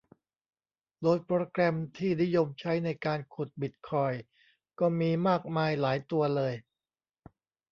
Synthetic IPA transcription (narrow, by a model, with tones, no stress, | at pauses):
d̪oː˧jpɾoː˧kɾɛ˧mt̪ʰiː˥˩ni˦˥jo˧mt͡ɕʰa˦˥jna˧jkaː˧nkʰu˨˩t̪̚bi˨˩t̪̚kʰɔː˧j | kɔː˥˩miː˧maː˥˩k̚maː˧jlaː˩˦jt̪u˧ɐlɤː˧j